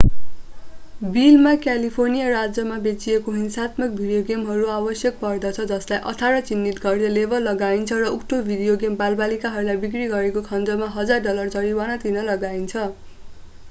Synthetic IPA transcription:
bilmakjalipʰornijʌrad͡zjʌmabet͡siekoɦinsat̪mʌk̚bʱiɽijoɡemɦʌɾuabʌsjʌk̚pʌrd̪ʌt͡sʰʌd͡zʌslajʔʌ̰t̪ʰaɾʌt͡sinːit̪ɡʌrnelebʱʌlːʌɡaint͡sʰʌrʌukʈobʱiɽijoɡembalbalikaɦʌɾulajbik̬riɡʌɾekokʰʌnd͡zʌmaɦʌd͡zarɖʌlʌrt͡sʌɾiwanat̪ʰinʌlʌɡaint͡sʰʌ

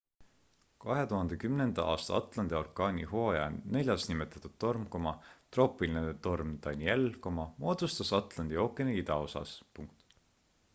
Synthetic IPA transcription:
kɑɦe̞t̪uɦɑnd̪ekymne̞nd̪̥ɑʔɑːst̪ɑɑt̪ˑlɑnd̪̥jo̞rkːˑɑːnʲiho̞ːjɑne̞lʲjɑsnime̞t̪ːˑɑt̪ːˑud̪̥t̪ːo̞rmko̞mɑt̪ro̞ːpːˑilinet̪o̞rmd̪̥ɑnʲie̞lko̞mɑmo̞ːd̪ust̪ɑsɑt̪ˑlɑnd̪io̞ːkːˑe̞neit̪ɑo̞sɑ̰spuŋk̚t̪

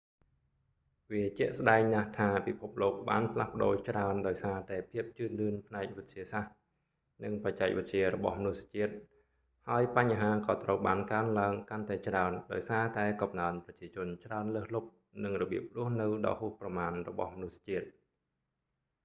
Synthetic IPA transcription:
ʋiət͡ɕɛ̆əʔsɗaɛŋnaht̪ʰaːpipʰup̚loːk̚ɓaːnpʰlahpə̆ɗoːt͡ɕraənɗaɔjsaːt̪aɛpʰiəp̚t͡ɕɨːnlɨənpʰnaɛk̚ʋɨt̪̚t͡ɕiəsah | nɨŋpac̚t͡ɕaɛk̚ʋɨt̪̚t͡ɕiəɾɔɓɑ̰hmnusḁt͡ɕiət̪̚ | haəjpaɲaɦaːkɑːt̪rəwɓaːnkaənlaəŋkant̪aɛt͡ɕraənɗaɔjsaːt̪aɛkɑmnaənprɑt͡ɕiət͡ɕʊ̆ənt͡ɕraənləːhlup̚ | nɨŋrɔɓiəp̚rʊ̆əhnɨwɗɑ̰ːhuːhprɑmaːnrɔɓɑ̰hmnusḁt͡ɕiət̪̚

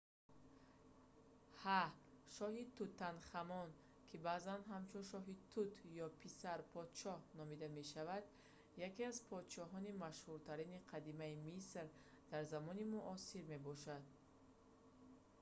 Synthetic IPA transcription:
haʃɔɦit̪ut̪ːanχamɔn | kʰibazanɦamt͡ʃʰunʃɔɦit̪ʰut̪ʰjɔpʰisaɾpʰɔd̪t͡ʃɔhnɔmid̪ame̞ʃavad̪ | jakiazpʰɔd̪t͡ʃɔɦɔnimaʃhuɾt̪ʰaɾiniqʰad̪imaimisɾ | d̪̥aɾzamɔnimuʔɔsiɾme̞bɔʃad̪̚

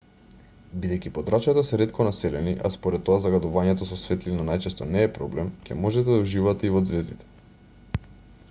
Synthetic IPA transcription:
bid̪ɛjcipod̪ɾat͡ʃat̪asɛɾɛt̪kɔnasɛlɛniʔa̰spoɾɛt̪ːoazaɡad̪uvaɲɛt̪ɔsɔsvɛt̪linanajt͡ʃɛst̪ɔnɛːpɾɔblɛmcʲɛmoʒɛt̪ɛd̪auʒivat̪ɛivod̪zvɛzd̪it̪ɛ̥

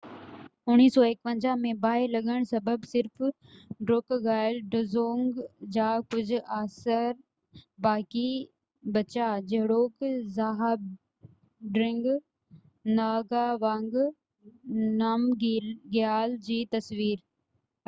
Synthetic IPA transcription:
ʊñiːsɔːek̚pɐ̃ɲd͡ʑaːmẽbaːɪlɐɠəɽ̃sɐbəbsɪɾf | ɖɾoːkɡaːɪlɖɪzoːŋɡd͡ʑaːkʊd͡ʑʱʊaːsəɾ | baːki | bɐt͡ɕad͡ʑɐɦɪɽoːkzaːɦb̚ | ɖɾɪ̃ŋɡ | naːɡaʋãːŋɡ | naːmɡjaːld͡ʑiːt̪ɐsʋiːɾ

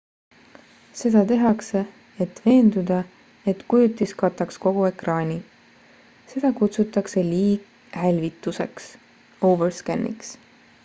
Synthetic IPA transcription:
se̞d̪̥ɑt̪e̞ɦɑkse̞ | et̪ːˑve̞ːnd̪ud̪̥ɑ | et̪kujut̪ːˑiskɑt̪ːˑɑksko̞ɡ̥ue̞krɑːnʲi | se̞d̪̥ɑkut̪sut̪ːˑɑkse̞liːɡ | hælʲvit̪ːˑuse̞ks | owverskænːʔḭks

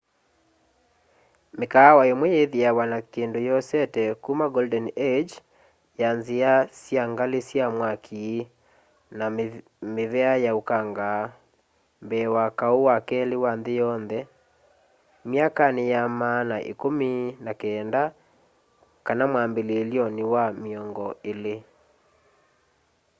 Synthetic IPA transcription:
mekawaemwɛjeðiawanakendojɔsɛtɛkumaɡɔldɛned͡ʒ | janziasjaŋɡalesjamwakʰi | na | meβɛajaukaŋɡaː | mbɛwakaowakɛlewanðejɔnðɛ | mjakanejamanaʔḛkominakɛːnda | kanamwambeleːljɔnewamiɔŋɡɔele

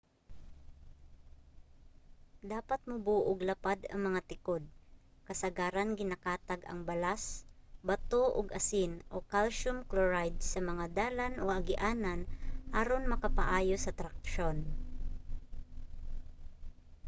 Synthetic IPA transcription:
d̪aːpat̪̚mʊbuːʔʊɡlɐpad̪ɐ̰ŋmɐŋat̪ɪkod̪̚ | kɐsɐɡaːɾanɡɪnakaːt̪aɡɐ̰ŋbɐlasbɐt̪oʔʊɡɐsɪnʔokalʃʊmkloɹajd̪̚sɐmɐŋad̪aːlanʔoʔɐɡɪʔaːnanʔaɾonmɐkapaʔaːjosɐt̪ɾak̚ʃon

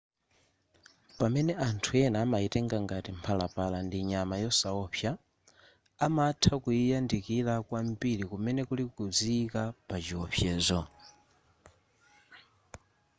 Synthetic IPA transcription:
pamɛnɛʔantʰuɛnaːmaitɛŋɡaŋɡatimpʰalapalandiɲamajɔsaɔɸʰja | amatʰakujijandikilakwam̩piɾikumɛnɛkulikukud͡zikapat͡ʃiɔɸʰjɛːzɔ

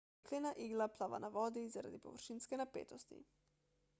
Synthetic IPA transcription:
kleːnaʔiːɡlaplaʋa̰naʋɔːd̪izaɾa̰d̪ipɔ̰ʋəɾʃiːnskɛnapḛːt̪ɔst̪ḭ

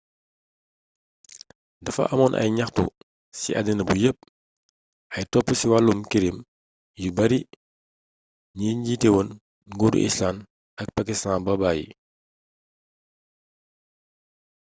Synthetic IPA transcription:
dɐfɐ̰ʔɐmɔnʔɐ̰jɲɐxtṵ | sḭʔɐdinɐbujəp̚ | ʔɐjtɔpːusiwalːumkiɾim | jibɐɾi | ɲiɲɟitɛwon | ŋɡudṵʔḭslan | ɐk̚pakistaːnbɐbaːjḭ

